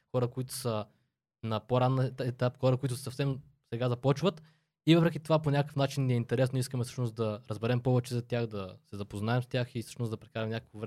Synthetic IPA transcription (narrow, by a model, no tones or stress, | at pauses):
xɔɾəkoit̪ʊ̥sə | nɐpoɾanːɛt̪apxɔɾəkoit̪ʊsɐfsɛm | sɛɡazɐpɔt͡ʃvət̪ | ivɤpɾɛk̟ʲit̪ovaponʲakkə̥fnat͡ʃinːiɛint̪ɛɾɛsnoiskəmɛsɤ̥ʃnos̚d̪ɐɾəzbɛɾɛmpɔvɛt͡ʃɛzɐt̪ʲjaxd̪ɐsɛzɐpoznaɛmst̪ʲjaxisɤ̥ʃnosd̪ɐpɾɛkaɾɛmnʲakə̥kovɾɛ